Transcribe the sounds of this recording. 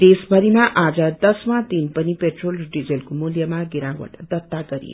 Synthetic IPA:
d̪esbʱʌɾimaʔad͡zʌd̪ʌsmat̪inpʌnipeʈrolɖid͡zelkomuljʌmaɡiɾawʌ̰ʈd̪ʌt̪ːaɡʌɾḭ

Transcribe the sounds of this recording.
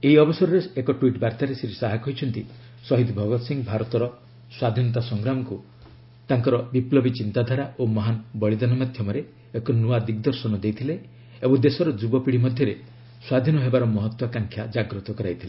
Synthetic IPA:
eiɔbɔsɔɾɔɾeekɔʈwiʈbaɾt̪aɾesɾisaɦakɔɦit͡ʃʰɔnt̪i | sɔɦid̪bʱɔɡɔt̪siŋɡbʱaɾɔt̪ɔɾɔ | swad̪ʱinɔt̪̬asɔŋɡɾamɔku | t̪aŋkɔɾɔbiplɔbit͡ʃint̪ad̪ʱaɾaʔomɔɦanbɔɭid̪anɔmad̪ʱjɔmɔɾe | ekɔnuad̪ik̚d̪ɔɾsɔnɔd͡ʒ̪ejt̪ʰile | ebɔŋd̪esɔɾɔd͡ʒubɔpiɽimɔd̪ʱjɔɾe | swad̪ʱinɔɦebaɾɔmɔɦɔt̪wakaŋkʰjad͡ʒaɡɾɔt̪ɔkɔɾajt̪ʰile

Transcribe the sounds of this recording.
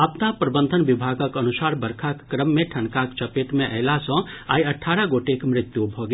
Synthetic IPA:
ɐpnapɾəbənd̪ʱənʋɪbʱaːɡəkənusaːɾbəɾkʰakːɾəmːẽʈʰɐnkakt͡ʃəpet̪mẽʔəɦlasɔ̃ | aːjɐʈʰaːɾaɡoːʈekmɾɪt̪jubʱɔːɡ

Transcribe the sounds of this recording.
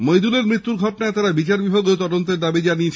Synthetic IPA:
mojd̪uleɾmɾit̪ːuɾɡʱɔʈonaet̪aɾabit͡ɕaɾbibʱaɡeot̪ɔd̪ont̪eɾd̪abid͡ʑaniet͡ɕʰ

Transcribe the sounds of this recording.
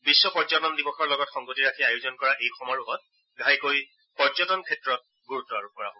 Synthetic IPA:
bisːɔpɔɹzɔtɔndibɔxʰɔɹlɔɡɔtxɔŋɡotiɹakʰiajʊzɔnkɔɹaʔejxɔmɔɹuɦɔt̚ | ɡʱajkoj | pɔɹzɔtɔnkʰɛtɹɔt̚ | ɡuɹutːɔaɹup̚kɔɹa̰bõ

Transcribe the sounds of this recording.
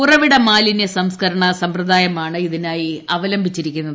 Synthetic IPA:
urɐʋiɽɐmaːlinesɐmskɐɾɐɳɐsɐmprɐd̪ʱaːjɐmaːɳɨiðinaːjiɐʋɐlɐmbʱit͡ɕːiɾikʲːunːɐðɨ

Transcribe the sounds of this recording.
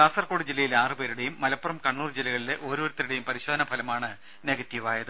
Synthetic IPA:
kaːsɐrko̞ːɽɨd͡ʑilːɐjilaːrɨpeːɾuɽe̞jumːɐlɐpːurɐmkɐɳːuːrd͡ʑilɐɣɐɭile̞ʔo̞ːɾoːɾut̪ːɐuɽejumpɐɾiɕo̞ːd̪ɐnɐbʱɐlɐmaːɳɨ | neːɡɐt̪ːjɐʋaːjɐðɨ

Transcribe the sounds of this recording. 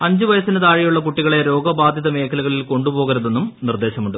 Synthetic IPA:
ɐɲd͡ʑuʋɐjɐsinɐt̪aːɻijuɭːɐpuʈːiɣɐɭe̞ɾo̞ːɡɐbaːd̪ʱjɐðɐme̞ːkʰɐluɣɐɭilko̞ɳɖubo̞ːɣɐɾɐðe̞nːumnird̪e̞ːɕɐmuɳɖu

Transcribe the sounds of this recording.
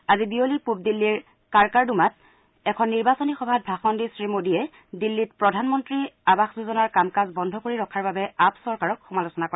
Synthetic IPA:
azibiolipup̚dilːiɹ | kaɹkaɹdumat̚ | ɛkʰɔnːiɹbasonixɔbʱat̚bʱaxɔndisɹimodiɛ | dilːit̚pɹɔdʱanmɔntɹiabaxzuzɔnaɹkamkazbɔndʱɔkoɹiɹɔkʰaɹbabɛapsɔɹkaɹɔkxumalusɔnakɔa

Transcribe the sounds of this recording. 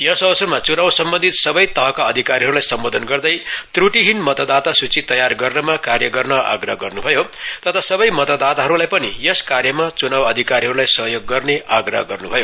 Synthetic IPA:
jʌsʌsʌrmat͡sunawsʌmbʌ̃nd̪ʱit̪sʌbʌjt̪ʌɦʌkaʌd̪ʱikaɾiɦʌɾulajsʌmbod̪ʱʌnɡʌrd̪ʌjt̪ruʈiɦinmʌt̪ʌd̪at̪asut͡sit̪ʌjarɡʌrnʌmakarjʌɡʌrnʌa̰ɡrʌɦʌɡʌrnubʱʌjot̪ʌt̪ʰasʌbʌjmʌt̪ʌd̪at̪aɦʌɾulajpʌnijʌskarjʌmat͡sunawʌd̪ʱikaɾiɦʌɾulajsʌɦjoɡːʌrneaɡrʌ̰ɦʌɡʌrnubʱʌjo

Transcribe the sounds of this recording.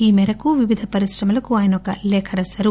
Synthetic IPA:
iːmɛɾɐkuʋiʋid̪ʱɐpɐɾisɾɐmɐlɐkuaːjɐnɐɔkɐlɛːkʰɐɾɐsɐɾu

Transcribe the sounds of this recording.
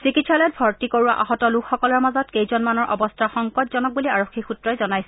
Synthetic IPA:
sikitsalɔjt̚bʱɔɹtikoɹuwa̰ʔaɦɔtɔlukxɔkɔlɔɹmazɔtkejzɔnmanɔɹʔɔ̰bɔstʰaxɔŋkɔtzɔnɔk̚buliaɹoxʰːixutɹɔjzɔnajsɛ

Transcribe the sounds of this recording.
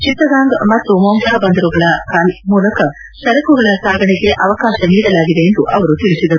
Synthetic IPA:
t͡ʃit̪ɾɐɡaːŋɡmɐt̪ːumɔmɡʱaːbɐnd̪ɐɾuɡɐɭɐkaːlmuːlɐkɐ | sɐɾɐkuɡɐɭɐsaːɡʱɐɳɛɡe̞ʔɐʋɐkaːʃɐniːɽɐlaːɡid̪e̞ːnd̪uʔɐʋɐɾut̪iɭisid̪ɐɾu

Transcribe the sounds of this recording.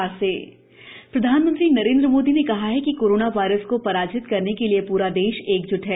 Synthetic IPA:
aseː | pɾɐd̪ʱaːnmə̃nt̪ɾinɐɾẽːnd̪ɾəmoːd̪inekɐɦaɦɛkikoːɾoːnaʋaːɪɾəskopɐɾaːd͡ʒɪt̪kɐɾnekeliepuːɾad̪eːʃeːkd͡ʒʊʈɦɛː

